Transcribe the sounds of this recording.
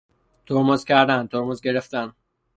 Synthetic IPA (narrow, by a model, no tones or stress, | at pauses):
t̪ʰoɾmozcʰæɾd̪ænd̪t̪ʰoɾmozɟe̞ɾeft̪æn